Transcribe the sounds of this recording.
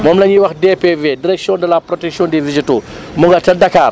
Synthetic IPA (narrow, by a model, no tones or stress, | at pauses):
mɔmlɐɲiwɐxdepevediɾɛksijɔ̃ndɐlapɾɔtɛksiɔ̃ndivizitu | muŋɡɐtɐdɐkaːr